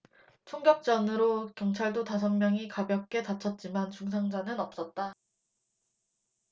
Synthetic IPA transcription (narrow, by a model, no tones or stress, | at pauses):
t͡ɕʰoŋɡjʌk̚t͡ɕ͈ʌnɯɾokjʌŋt͡ɕʰaɭdotas̬ʰʌnmjʌŋikabjʌk̚k͈e̞tat͡ɕʰʌt̚t͡ɕ͈imant͡ɕuŋs̬ʰaŋd͡ʑanɯnʌp̚s͈ʌt̚t͈a